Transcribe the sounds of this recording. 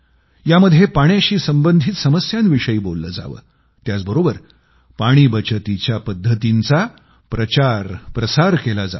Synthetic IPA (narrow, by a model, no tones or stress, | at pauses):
jaməd̪ʱjepaɽ̃jaɕiːsəmbənd̪ʱiːt̪səməsjãnʋiʂəiːbolːə̰ːd͡za̰ʋə̰ː | t̪jat͡sbəɾobəɾ | paɽ̃iːbət͡ɕət̪it͡ɕjapəd̪ʱːət̪int͡sa | pɾət͡ɕaɾpɾəsaɾkelad͡za̰